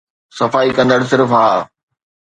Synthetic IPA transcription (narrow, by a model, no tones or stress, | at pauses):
sɐfaːikɐ̃nd̪əɽsɪɾfɦaː